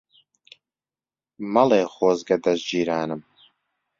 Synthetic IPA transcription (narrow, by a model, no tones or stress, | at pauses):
mɐleːχoːzɡɐd̪ɐzd͡ʒiːɾaːnɨm